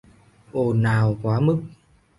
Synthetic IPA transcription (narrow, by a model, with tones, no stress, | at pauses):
ʔo˨˩naː˨˩wkwaː˨˦mɨ˦˥k̚